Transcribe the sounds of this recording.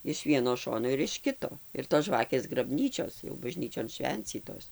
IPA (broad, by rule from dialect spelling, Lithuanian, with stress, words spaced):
ɪʃ ˈʋʲiɛnoː ˈʃoːnoː ɪr ɪʃ ˈkʲɪtoː ɪr toːs ˈʒʋɑːkʲeːs ɡrɐˈbʲnʲiːt͡ʃʲoːs jɛʊ bɐˈʒʲnʲiːt͡ʃʲoːn ˈʃʲʋʲɛnʲt͡sʲiːtoːs